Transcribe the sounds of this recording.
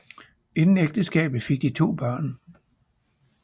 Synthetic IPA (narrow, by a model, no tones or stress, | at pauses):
e̝nn̩eɡ̥̚d̥əsɡ̥ɛ̰ːb̥ð̩ˠfe̝ɡ̥̚d̥it͡sʰo̝̰ːb̥ɶɐ̰n